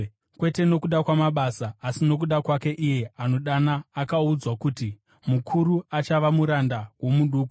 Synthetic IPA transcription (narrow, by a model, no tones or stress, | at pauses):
kwe̞te̞no̞kuɗakwamaɓasaːsino̞k̬uɗakwake̞ʔije̞ano̞ɗanaːkaud͡zwakuti | mukʰuɾuat͡ʃaʋamuɾandawo̞muɗuːku